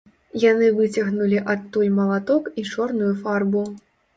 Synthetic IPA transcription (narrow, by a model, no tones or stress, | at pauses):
janɨvɨt͡sʲɐɣnulʲiʔɐt̪ːujʲmɐlˠat̪ɔkit͡ʂɔrnujufarbu